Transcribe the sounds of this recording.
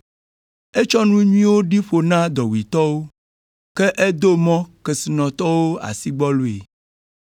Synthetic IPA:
e˦t͡ʃɔ˦nũ˦ɲĩ˦wo˦ɖi˦ɸo˨nã˦d̪ɔ˨wi˨t̪ɔ˦wo˦ | ke˦ʔe˦d̪o˦mɔ̃˦ke˨si˨nɔ̃˨t̪ɔ˦wo˦a̰˨si˦ɡ͡bɔ˦lu˨ḛ˨

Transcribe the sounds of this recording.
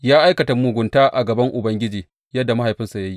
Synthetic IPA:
jaː˦ʔa˦jkɐ˨ta˨mu˨ɡʷʊ˨ntaː˦ʔa̰˨ɡɐ˨bɐ˦ŋʔʊ˨bɐ˦ŋɡʲɪ˦d͡ʒiː˨ | jɐ˦dːa˨ma˦ɦa˨jɸɪ˦nsa˨ja˦ji˦

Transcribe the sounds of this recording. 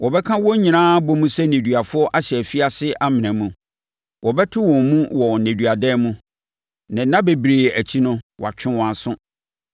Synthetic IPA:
wɔ˨bɛ˦kʰã˦wɔ˦ɲĩ˨nãː˦bɔ˦mũ˦sɛ˦nẽ˨dɥa˨fʊ˦ɔ˦ʔa˦ɕɛ˨fi˦a˦sɪ˦ʔa˦mɪ̃˨næ̃˨mũ˨ | wɔ˨bɛ˦tʰɪ˦wɔ̃˨mũ˦wɔ˨nẽ˨dɥa˨dɛ˦mũ˦ | nã˨˦nã˦be˨bɾeː˨æ˨t͡ɕʰi˦nʊ̃˦wa̰˨t͡ɕʰᶣɪ̃˦wɔ̃˨a˨sʊ̃˦

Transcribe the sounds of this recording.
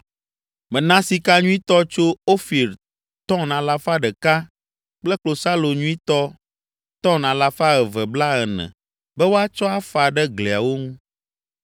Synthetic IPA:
mɛ̃˨nã˦si˨ka˦ɲũ˦ĩ˦t̪ɔ˦t͡ʃo˦o˦fi˨ɾ | t̪ɔ̃˦nã˨la˦fa˦ɖɛ˨ka˦ | k͡plɛ˦k͡plo˨sa˦lo˨ɲũ˦i˦t̪ɔ˦ | t̪ɔ̃˦nã˨la˦fa˦ɛ˨vɛ˨bla˦ɛ˨nɛ̰̃˨ | bɛ˦wo˦a˦t͡ʃɔ˦a˦fa˨ɖɛ˦ɡlɛ˨a˨wo˦ŋũ˦

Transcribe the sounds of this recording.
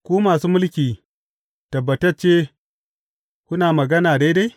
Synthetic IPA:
kʷuː˦maː˨suː˦mʊ˦lkʲiː˨ | tɐ˨bːɐ˨tɐ˦ɾt͡ʃe˦ | kʷʊ˦naː˨mɐ˨ɡɐ˦naː˨da˦da˦

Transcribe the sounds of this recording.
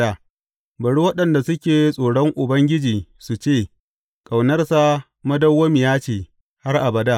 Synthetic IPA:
a˨ | bɐ˨ɽu˦wɐ˦ɗɐ˨nda˨sʊ˦kʲeː˨sʼoː˨ɽɔ˦ŋʔʊ˨bɐ˦ŋɡʲɪ˦d͡ʒiː˨su˨t͡ʃeː˦˨ | kʼa˨wnɐ˦rsa˦˨ | mɐ˦dɐ˦wːɐ˦mi˨jaː˦t͡ʃeː˨ | ha˦rʔa˨bɐ˨da˦˨

